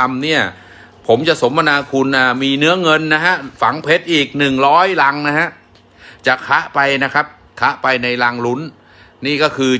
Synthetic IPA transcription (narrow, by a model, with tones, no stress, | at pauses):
mni˥˩ɐ | pʰo˩˦mt͡ɕa˨˩ʔso˩˦mːa˧naː˧kʰu˧nʔaː˨˩miː˧nɯ˦˥ɐŋɤ˧nːa˦˥ɦa˦˥ʔfa˩˦ŋpʰe˦˥t̪̚ʔiː˨˩k̚nɯ˨˩ŋɾɔː˦˥jla˧ŋna˦˥ɦa˦˥ʔ | t͡ɕa˨˩ʔkʰa˦˥ʔpa˧jna˦˥kʰa˦˥p̚ | kʰa˦˥ʔpa˧jna˧jlaː˧ŋlu˦˥n | niː˥˩kɔː˥˩kʰɯː˧